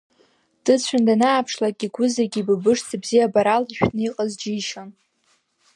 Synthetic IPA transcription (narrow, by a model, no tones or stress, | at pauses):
d̥ɨt͡ɕʷʰandanaːpʰʂlakʲʼiɡʷʊzaɡʲibɨbɨʂt͡sʰabzijabaɾaliʃᶣnɨiqʼazd͡ʒiʃon